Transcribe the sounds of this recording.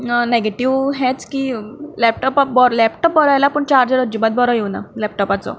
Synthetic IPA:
neɡeʈiʋɦɛ̃t͡skiːlɛp̚ʈɔpabɔɾlɛpʈɔp̚bɔɾajlapəːɳt͡ɕaɾd͡zɾəd͡ʑubat̪̚bɔɾɔjewna̰lɛp̚ʈɔpat͡sɔ̰

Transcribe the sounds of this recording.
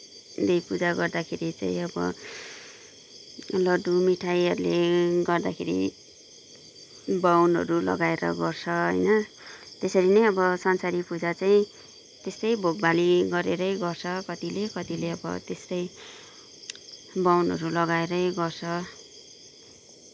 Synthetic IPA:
d̪ejpud͡zaɡʌrd̪akʰeɾit͡sã̰ĩʌbʌ̰ | lʌɖumiʈʰajɦʌɾuleɡʌrd̪akʰeɾḭ | bawnʌ̰ɾulʌ̰ɡaeɾʌ̰ɡʌrt͡sʰʌɦʌ̰jnʌ | t̪esʌɾinʌjʌbʌsʌnsaɾipud͡zat͡saĩ | t̪est̪ʌjbʱoɡbaliɡʌɾeɾʌjɡʌrt͡sʰʌkʌt̪ilekʌt̪ileʌbʌ̰t̪est̪ʌj | bawnɦʌ̰ɾulʌɡaeɾʌjɡʌrt͡sʰʌ

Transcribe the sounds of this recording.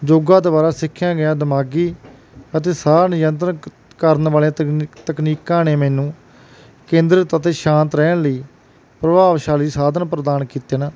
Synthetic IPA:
d͡ʒoːɡãːd̪baːɾaːsɪkʰːjãːɡɪjãːd̪əmaːɡiː | ət̪eːsaːɾnɪjənt̪ɾən | kəɾənʋaːleãːt̪əkniːkːãːneːmɛːnũː | kẽːnd̪ɾət̪ət̪eːʃãːnt̪ɾɛːnləiː | pɾəbaːʋʃaːliːsaːd̪ənpɾəd̪aːnkiːt̪eːnaː

